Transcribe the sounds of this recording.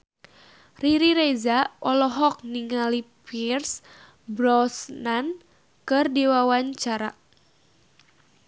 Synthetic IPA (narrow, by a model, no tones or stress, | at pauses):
riɾiɾezaʔɔlɔɦɔk̚niŋalipirs | bɾɔsnan | kɨrdiwawaɲt͡ʃaɾa